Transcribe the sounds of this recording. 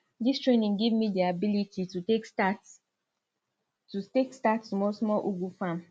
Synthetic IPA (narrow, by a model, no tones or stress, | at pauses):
distɹenĩŋɡivmidiabilitʰitutekt | tutekstattumɔlsmɔlʔuɡufãm